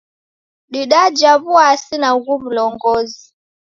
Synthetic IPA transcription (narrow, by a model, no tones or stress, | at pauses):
ɗiɗad͡ʒaβuasinaɣum̩lɔŋɡɔzi